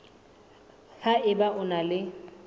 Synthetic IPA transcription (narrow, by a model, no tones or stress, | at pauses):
haʔɪbaʔʊnalɪ